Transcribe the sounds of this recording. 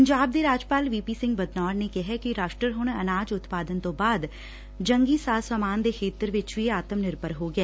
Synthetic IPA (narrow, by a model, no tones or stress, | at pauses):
əɲd͡ʒaːb̚d̪eɾaːd͡ʒpaːlʋiːpiːsɪ̃ŋɡ̚bəd̪nɔːɾnekeɦɛkiɾaːʃʈɾəɾɦʊɳ̃ɐnaːd͡ʒʊt̪paːd̪ənt̪õːbaːd̪ | d͡ʒə̃ŋɡisaːsəːmaːnd̪ekʰeːt̪əɾʋɪt͡ʃʋiaːt̪əmnɪɾbəɾɦoɡɛː